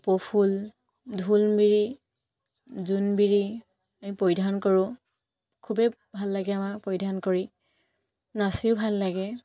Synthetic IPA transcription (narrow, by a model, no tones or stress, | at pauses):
pɔpʰul | dʱulbiɹi | zunbiɹi | amipojdʱankoɹʊ̃ | kʰubɛ | bʱalːaɡɛamapojdʱankoɹi | nasiʊbʱalːaɡɛ